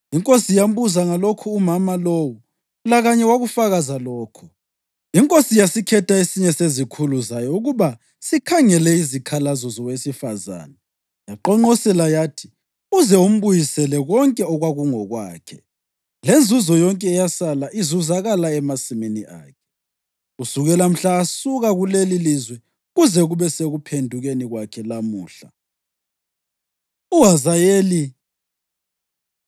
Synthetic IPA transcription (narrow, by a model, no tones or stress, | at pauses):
iŋkʼosijam̩βuzaŋalokʰuːmamaloːwu | laɣaɲɛwaɣufaɣazalɔːkʰɔ̥ | iŋkʼosijasikʰɛtʰaesiɲɛsezikʰuluzajɔuɣuβa | sikʰaŋɛlɛizikʰalazɔzɔwesifaza̰ːnɛ | jaǃɔŋ͡ǃɔsɛlajaːtʰi̥ | uzɛum̩βujisɛlɛɣɔŋkʼɛɔɣwaɣuŋɔɣwa̰ːkʰɛ | lend͡zʱuzɔjɔŋkʼɛːjasalaʔizuzaɣalaɛmasimeniʔa̰ːkʰɛ̥ | usuɣɛlam̩ɬaːsuɣaɣulelilizwɛ | ɣuzɛɣuβɛseɣupʰendʱuɣeniɣwakʰɛlamuːɬa | uɦazajeːli